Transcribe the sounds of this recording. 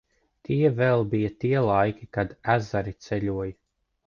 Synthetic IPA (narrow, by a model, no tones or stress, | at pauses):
t̪ʰiɛvɛlˠbijat̪iɛlˠajkʲikad̪æzaɾit̪sɛlʲuɔj